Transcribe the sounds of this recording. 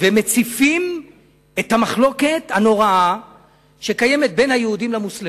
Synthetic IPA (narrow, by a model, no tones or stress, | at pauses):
veme̞t͡sifim | et̪hamaχlo̞ke̞t̪hano̞ʁaa | ʃe̞kaje̞met̪̚be̞jnhajeud̪imlamusle